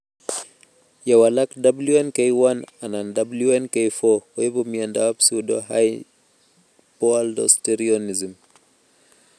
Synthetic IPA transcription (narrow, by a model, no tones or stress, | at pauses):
jawalakdabluɛnkejwananandabluɛnkejfɔɔjepɔmiandawapsiudɔɦaj | pɔaldɔ̰steɾiɔnizim